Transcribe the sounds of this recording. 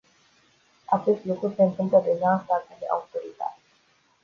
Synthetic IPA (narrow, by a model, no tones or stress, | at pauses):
at͡ʃe̞st̪lukɾuse̞ɨnt̪ɨmpləd̪e̞ʒaːst̪akad̪eʔa̰ut̪oɾit̪a̰t̪